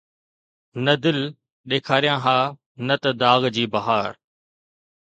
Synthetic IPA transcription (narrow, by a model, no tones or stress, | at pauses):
nɐd̪ɪl | ɗeːkʰaːɾijãːɦãː | nɐt̪ɐd̪aːɣd͡ʑiːbɐɦaːɾ